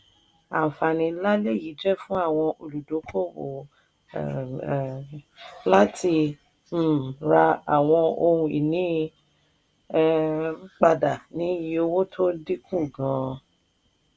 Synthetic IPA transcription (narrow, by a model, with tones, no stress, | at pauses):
a̰˨fa˨nĩ˧la˦le˦˨ji˨˦d͡ʒɛ˦˨fũ˦a˦˨w̃ɔ̃˧ʔo˧lu˨do˨˦kʰo˦˨wo̰˨ | la˦tʰi˧˦˨ | ɾa˧a˨w̃ɔ̃˧o˧ũ˧ḭ˨nĩ˨˦ | k͡pa˧da˨nĩ˨˦ji˧˦o˧wo˦tʰo˦di˦kũ˦˨ɡã˨˦